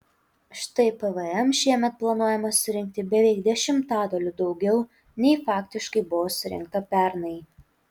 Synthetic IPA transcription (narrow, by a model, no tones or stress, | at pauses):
ʃt̪ɐɪpɛʋɛɛmʃʲiɛmʲɛt̪̚plˠɐnuɔjɛmɐsʊɾʲɪŋʲk̚t̪ʲɪbʲɛʋʲɛɪkd̪ʲɛʃʲɪmt̪ɑːd̪oːlʲʊd̪ɒʊɡʲɛʊ | nʲɛɪfɑːkt̪ʲɪʃkɐɪbʊʋoːsʊɾʲɪ̰ŋk̚t̪ɐpʲæˑɾnɐɪ